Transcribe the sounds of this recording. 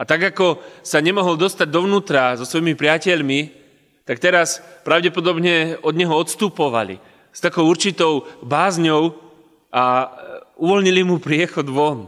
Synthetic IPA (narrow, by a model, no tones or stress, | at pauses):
at̪aɡakɔsaɲɛmɔɦɔld̪ɔst̪aɟd̪ɔʋnuːt̪ɾazɔsʋɔjimipɾɪacɛʎmi | t̪ak̚t̪ɛɾaspɾaʊɟɛpɔd̪ɔbɲɛɔd̪ɲɛɦɔɔt̪st̪uːpɔʋa̰lḭ | st̪akɔʊuɾt͡ʃit̪ɔʊbaːzɲɔʊ | a | uʋɔlɲilimupɾɪɛxɔd̪ʋɔn